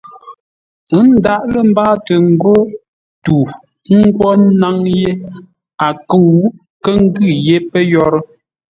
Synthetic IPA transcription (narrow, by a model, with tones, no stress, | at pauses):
ə˦n̩˦da˦ʔlə˦˨m̩˦baː˦tə˨ŋ̩˨ɡo˦ | tu˨ | ŋ̩˦ɡwɔ˦na˦ŋje˦ | a˨kə˦˨w | kə˦ŋ̩˦ɡʉ˦˨je˦pə˦jɔ˦ɾə˦